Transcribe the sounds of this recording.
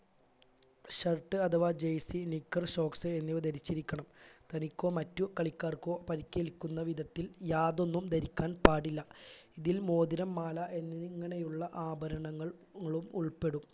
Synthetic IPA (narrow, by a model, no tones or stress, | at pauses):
ɕɐrʈːɨɐt̪ʰɐʋaːd͡ʑejsinikːɐrɕo̞ːksɨenːiʋɐd̪ɐɾit͡ɕːiɾikʲːɐɳɐmt̪ɐnikʲːo̞ːmɐtːukɐɭikʲːaːrko̞ːpɐɾikʲːelkʲːunːɐʋid̪ʱɐt̪ːiljaːðo̞nːumd̪ɐɾikʲːaːnpaːɽilːɐiðilmo̞ːd̪iɾɐmːaːlɐʔe̞nːiŋːɐɳe̞juɭːɐʔaːbɐɾɐɳɐŋːɐɭŋːɐɭumuɭpe̞ɽum